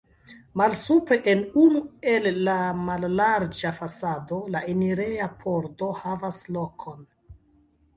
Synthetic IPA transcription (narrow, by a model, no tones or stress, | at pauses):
malsupɾe̞ʔenunue̞lːamalːaɾd͡ʒafasado̞laʔeniɾeapʰo̞ɾto̞havaslo̞kʰo̞n